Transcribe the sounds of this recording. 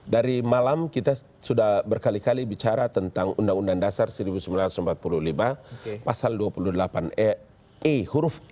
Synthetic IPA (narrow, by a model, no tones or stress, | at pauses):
daɾimalamkit̪a | sudahbərkalikalibit͡ʃaɾat̪ənt̪aŋundaŋundandasarsəɾibusəmbilant̪usəmpat̪̚pululimapasalduapuludəlapanɛ | ihuɾʊf